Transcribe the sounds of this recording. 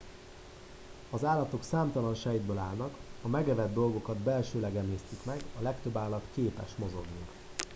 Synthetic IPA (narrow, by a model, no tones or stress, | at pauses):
ɒzaːlːɒt̪o̞ksaːmt̪ɒlɒnʃɛjid̪bøːlaːlnɒkɒmɛɡɛvɛd̪ːo̞lɡo̞kɒd̪bɛlʃøːlɛɡɛmliːst̪ykmɛɡɒlɛkt̪ø̞bːaːlːɒt̪keːpɛ̰ʃtmo̞zo̞ɡnik